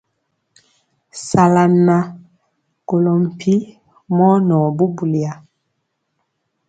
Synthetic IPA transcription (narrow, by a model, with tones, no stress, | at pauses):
sa˨la˨nːa˨ | ɡo˨lɔ˨m˨pʰi˦ | mɔ˦nɔ˨bu˦bu˨li˨a˨